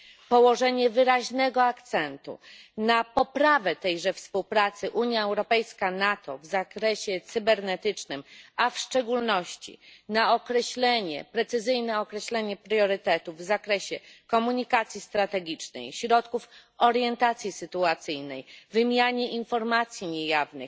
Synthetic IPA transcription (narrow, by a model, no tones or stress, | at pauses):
pɔwɔʐɛɲɛvɘɾaʑnɛɡɔakt̪sɛnt̪ṵnapɔpɾavɛt̪ɛjʐɛfspuwpɾat̪sɘʔuɲjaɛwɾɔpɛjskanat̪ɔ̰vzakɾɛɕɛt̪sɘbɛɾnɛt̪ɘt͡ʂnɘmafʂt͡ʂɛɡulnɔɕt͡ɕḭnaɔkɾɛɕlɛɲɛ̰pɾɛt̪sɘzɘjnɛɔkɾɛɕlɛɲɛpɾjɔɾɘt̪ɛt̪uvːzakɾɛɕɛkɔmuɲikat̪sʲjist̪ɾat̪ɛɡʲit͡ʂnɛ̰jɕɾɔt̪kufɔɾjɛnt̪at̪sʲjisɘt̪uat̪sɘjnɛjvɘmʲjaɲɛʔinfɔɾmat̪sʲjiɲejavnɘ̰x